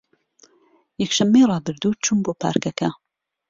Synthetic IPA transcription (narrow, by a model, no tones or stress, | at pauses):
jɛkʃɐmːejrɑːbɨɾd̪uːt͡ʃʰunboːpʰa̰ːɾkɐkɐ